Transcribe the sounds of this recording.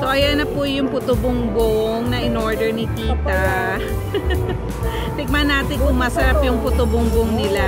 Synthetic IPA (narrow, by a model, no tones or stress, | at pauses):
soʔɐjanɐpʊjʊŋpʊt̪ʊbʊŋɡoŋnɐʔɪnoɹd̪ɛɹnɪt̪iːt̪ɐ | t̪ɪɡ̚mɐnaːt̪ɪnkʊŋmasɐɾapjʊŋpʊt̪ʊbʊŋɡoŋnɪla